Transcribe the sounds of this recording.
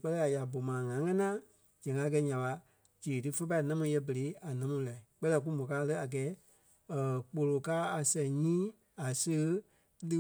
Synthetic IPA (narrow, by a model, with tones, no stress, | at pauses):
k͡pɜ˦lɛ˦a˨ja˨bo˨mãː˨ŋã˨˦ŋɛ̃˦nãː˦ | d͡ʒɛ̃˨ŋɡa˧˦kɛ˧˦ɲã˨ɓa˧ | d͡ʒe˨tɨ˦fə˦p̬a˧i˨˦nã˦mũ˧˦jɛ˧bə˨ɾe˨˦a˨nã˨˦mũ˧˦la˨i˨k͡pɜ˦lɛ˧˨k̬u˦mõ˨kaː˧˦˧lə˧˦a˨ɡɛː˨˦ | ə˨k͡po˧lo˨kaː˦a˨sɛ̃˨ɲĩː˦ | a˨sə˧ɣ | lɨ˧